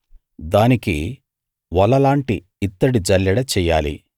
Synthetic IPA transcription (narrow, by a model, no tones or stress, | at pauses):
d̪aːnikḭ | ʋɐlːɐlaːɳʈiː | t̪ːɐɽid͡ʒɐljɐɽɐt͡ʃɛːjaːlḭ